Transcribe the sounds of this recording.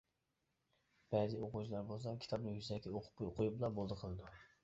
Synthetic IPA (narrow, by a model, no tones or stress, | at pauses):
b̥ɛzioqut͡ʃʰilˠɑɾbolˠs̬ɑkʲʰi̥t̪ʰɑb̚nɪŋjyzɛk̚ʲkʲʰɛoqʰʊ̥pːojoqʰʊjublˠɑbolˠd̪əqʰəlˠɨd̪u